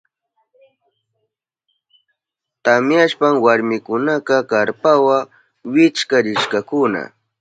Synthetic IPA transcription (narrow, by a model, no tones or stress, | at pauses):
t̪amjaʃpaŋwaɾmɪkʊnakɑkaɾpawa | wɪt͡ʃkaɾɪʃkakʊna̰